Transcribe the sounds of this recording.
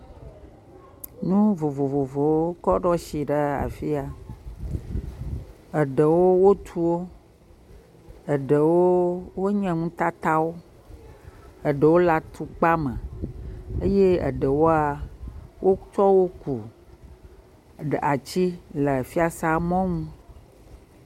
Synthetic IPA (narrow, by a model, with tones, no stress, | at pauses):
nũ˦vo˨vo˨vo˨vo˨wo˦kɔ˦ɖɔ˦ʃi˨ɖə˦a̰˨fi˦a˨ | ə˨ɖə˨wo˦wo˦t̪ʰu˦wo˦ | ə˨ɖə˨wo˦wo˦ɲɛ̃˨ŋũ˦t̪a˦t̪a˦wo˦ | ə˨ɖə˨wo˦la˨t̪ʰu˦k͡pa˦mə̃˨ | ə˦je˦ə̰˨ɖə˨wo˦a˨wo˦t͡ʃɔ˦wo˦ku˨ | ɖə˨a˨t͡ɕi˦lə˨fi˦a˨sa˦mɔ̃˦ŋũ˦